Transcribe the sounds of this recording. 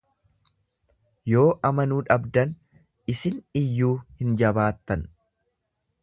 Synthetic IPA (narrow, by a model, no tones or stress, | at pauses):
jo̞ːʔɐmɐnuːᶑɐbd̪ɐn | ɪsɪnɪjːuːhɪnd͡ʒɐbaːt̪ːɐn